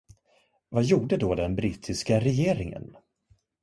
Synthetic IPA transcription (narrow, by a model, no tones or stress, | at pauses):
vajuːɖəd̪oːd̪ɛnbɾiːt̪ʰɪskaɾɛjeːɾɪŋə̰n